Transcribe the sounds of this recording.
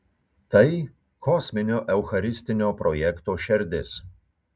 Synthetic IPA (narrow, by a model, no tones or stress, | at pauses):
t̪ɐɪ | kɔsʲmʲɪnʲoːʔɛʊxɐɾʲɪsʲt̪ʲɪnʲoːpɾɔjɛkt̪oːʃʲɛɾʲd̪ʲɪs